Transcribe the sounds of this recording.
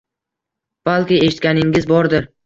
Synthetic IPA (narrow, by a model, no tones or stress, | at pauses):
b̥alˠkʲɪeʃɪt̪̚ʲkʲanɪŋɪzbɒɾd̪ɪɾ